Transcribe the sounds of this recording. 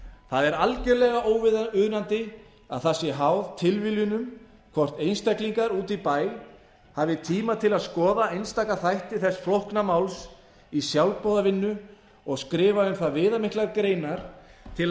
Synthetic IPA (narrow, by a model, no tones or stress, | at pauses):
θaðɛɾalcɛɾlɛɣaʔoːwvɪðʏðnant̪ɪ | a̰ðθasːɪɦawðt̪ʰɪlviljʏnʏm | kʰvɔr̥t̪ejnst̪akliŋkaɾuːt̪ipaːj | havɪt̪ʰiːmat̪ʰɪlaðskɔːðaejnst̪aːkaθajht̪ɪθɛsːflohknamawls | isjawlpɔwðavɪnːʏ | ɔɣskɾɪːvaʏmθaðvɪːðamɪhklaɣkɾeːjnaɾ̥t̪ʰɪl